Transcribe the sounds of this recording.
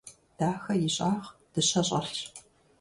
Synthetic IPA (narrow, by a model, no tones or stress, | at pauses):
d̥aːxɐjɪɕʼaːʁd̥ɨɕɐɕʼɐr